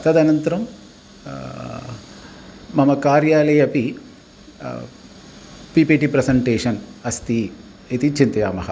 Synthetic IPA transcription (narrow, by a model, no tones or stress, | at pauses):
ɐt̪ɐd̪ɐnɐnt̪ɐɾɐm | ɐmɐkaːɾjaːlɐjɐpi | pipiʈipɾesɐɳʈeːʂɐnɐst̪i | it̪it͡ʃint̪ɐjaːmɐɦɐ